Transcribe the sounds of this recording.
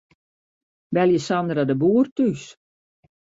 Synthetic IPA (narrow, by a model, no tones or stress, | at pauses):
ʋɛlˠjəsandradəbuːrtys